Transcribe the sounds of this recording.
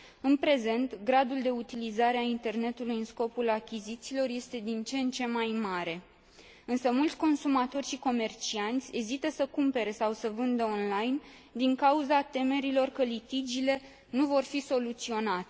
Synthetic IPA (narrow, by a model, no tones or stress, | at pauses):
ɨnpɾe̞ze̞nt̪ɡɾad̪uld̪e̞ut̪ilizaɾeaint̪e̞rne̞t̪ulujɨnsko̞pulakʲizit̪siːlo̞rje̞st̪e̞d̪int͡ʃe̞nt͡ʃe̞majmaɾe̞ | ɨnsəmult̪sʲko̞nsumat̪o̞rʲʃiko̞me̞rt͡ʃiant̪sʲe̞zit̪əsəkumpe̞ɾe̞sawsəvɨnd̪əo̞nlajn | d̪iŋkauzat̪e̞me̞ɾilo̞rkəlit̪id͡ʒile̞ | nuvo̞rfiso̞lut̪sio̞nat̪e